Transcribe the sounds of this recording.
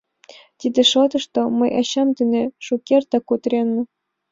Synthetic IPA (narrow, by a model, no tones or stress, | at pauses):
t̪ʲid̪ʲĕʃot̪ɤ̆ʃt̪omɤ̆jʔɑɕɑmd̪ɘ̆nʲeʃukʲert̪ɑkut̪ɾʲenːɤ̆